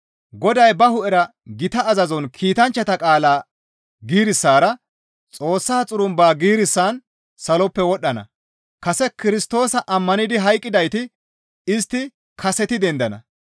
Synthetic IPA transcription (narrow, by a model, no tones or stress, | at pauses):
ɡɔd̪ɐjbɐhʊʔɛɾɐ | ɡɪt̪ɐːzɐzɔnkʰiːt̪ɐnt͡ʃːɐt̪ɐkʼaːlaː | ɡiːɾɪsːaːɾɐ | t͡sʼo̞ːsːaːt͡sʼʊɾʊmbaːɡiːɾɪsːaːn | sɐlɔpːɛwɔɗːɐnɐ̰ | kɐsɛkɪɾɪst̪o̞ːsɐʔɐmːɐnɪd̪ɪɦɐjkʼːɪd̪ɐjt̪ɪ | ɪst̪ːɪ | kʰɐsɛt̪ɪd̪ɛnd̪ɐnɐ̰